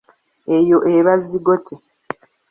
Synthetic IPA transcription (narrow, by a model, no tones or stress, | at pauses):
ejo̞ʔeβazːiɡotʰe